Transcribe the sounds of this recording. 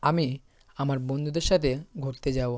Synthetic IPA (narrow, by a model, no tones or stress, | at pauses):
ami | amaɾbond̪ʱud̪eɾʃat̪ʰeɡʱoɾt̪ed͡ʑabo